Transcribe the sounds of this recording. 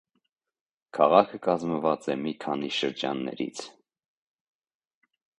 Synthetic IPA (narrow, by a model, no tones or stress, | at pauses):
kʰɑʁɑkʰəkɑzməvɑt͡sɛmikʰɑniʃəɾd͡ʒɑ̰nːɛ̰ɾḭt͡sʰ